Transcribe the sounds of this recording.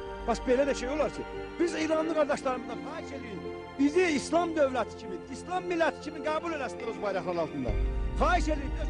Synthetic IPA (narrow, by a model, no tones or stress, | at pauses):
b̥ɑsbe̞læd̪æʃejo̞lˠɑɾcʰib̥iziːɾɑnlˠɯɡɑɾd̪ɑʃlˠɑɾɯmɯzd̪ɑnxɑːiʃe̞lii | biziːslˠɑmd̪øvlæt̪ʰi̥cʰimiislˠɑmːilːæt̪ʰi̥cʰimiɡæːbule̞læsid̪aɾozbɑjɾɑxlˠɑɾɑlˠt̪ɯnd̪ɑ̰χɑːiʃe̞lii